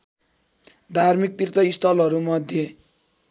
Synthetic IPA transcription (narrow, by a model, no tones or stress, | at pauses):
d̪ʱarmik̚t̪irt̪ʌist̪ʰʌlɦʌɾumʌd̪ʱjʌ